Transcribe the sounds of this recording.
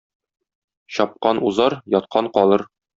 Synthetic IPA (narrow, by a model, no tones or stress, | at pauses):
ɕɒp̚qɑnuzɑɾjɒt̪̚qʰɑɴqɒlˠɤɾ